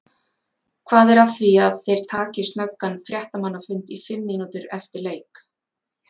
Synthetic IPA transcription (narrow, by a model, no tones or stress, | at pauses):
kʰvaːðɛɾḁθviaðθejɾ̥t̪ʰaːcɪst̪nœkːanfɾjɛht̪amanːafʏnt̪ifɪmːɪnut̪ʏɾɛft̪ɪɾleːjk